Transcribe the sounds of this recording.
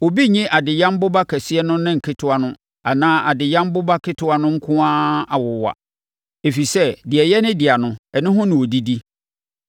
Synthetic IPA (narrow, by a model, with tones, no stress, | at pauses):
o˨bi˦ɲɪ̃˦ʔa˨dɪ˨jã˦m˦bʊ˦ba˦kʰɛ˨sɪ˦ɛ˦nʊ̃˦nɪ̃˦ŋ̩˨kʰɪ˦tʰʊ˦a˦nʊ̃˦ | a˨nãː˦ʔa˨dɪ˨jã˦m˦bʊ˦ba˦kʰɪ˦tʰʊ˦a˦nʊ̃˦ŋ̩˦kʰʊ̃˦ã˦a˨wʊ˨wa̰˨ | e˨fi˨sɛ˦dɪ˨ɛ˨jɛ˦nɪ̃˦dɪ˨a˨nʊ̃˦ɛ˨nɪ̃˦ɦʊ̃˦nɪ̃˨wo˨di˦di˦